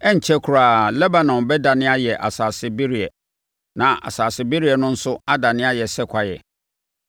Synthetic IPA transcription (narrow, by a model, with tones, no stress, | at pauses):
ɛ˦ɲ̩˨t͡ɕʰɛ˦kʰu˨ɾaː˨lɛ˦ba˨nɔ̃˨nbɛ˦da˨nɪ̃˦a˦jɛ˨ʔa̰˨saː˨sɪ˦be˦ɾi˨ɛ˨ | nã˨ʔa̰˨saː˨sɪ˨˦be˦ɾi˦ɛ˨nʊ̃˦n̩˦sʊ˦a˦da˨nɪ̃˦a˦jɛ˨sɛ˦kʷʰa˨jɛ̰˨